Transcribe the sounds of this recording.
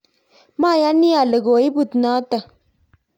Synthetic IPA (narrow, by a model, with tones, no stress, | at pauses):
maː˦˨ja˦ni˦a˨lə˨ɡoː˨i˦bu˨t̪naː˦t̪a˨